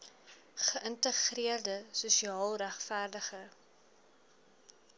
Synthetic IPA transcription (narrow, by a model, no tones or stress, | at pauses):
χəʔəntəχriərdəsusiɑːlˠræχfærdəχə